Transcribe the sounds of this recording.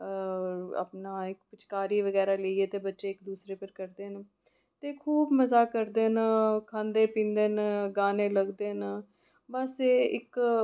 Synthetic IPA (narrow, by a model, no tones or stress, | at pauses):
a̰pnaːɪkpɪt͡ʃkaːɾiːʋəɡɛːɾaːləiːeːt̪eːbətːʃeːɪkd̪uːsɾeːpəɾkəɾd̪eːn | t̪eːkʰuːbməzaːkəɾd̪eːnkʰãːnd̪eːpĩːnd̪eːnɡaːnẽːləɡd̪eːn | bəseːɪ̰k